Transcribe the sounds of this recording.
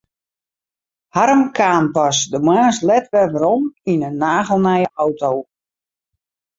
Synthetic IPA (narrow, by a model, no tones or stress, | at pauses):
haɾəmkʰaːnpasdəmwaːslɛtʋɛvəɾɔminənːaːɣəlˠnɛjəɔwtow